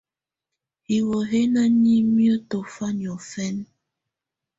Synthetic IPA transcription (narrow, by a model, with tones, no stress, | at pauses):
hi˨wo˨ɦe˦na˦ni˦mi˦o˦to˨fa˦ni˨ɔ˨fɛ˦n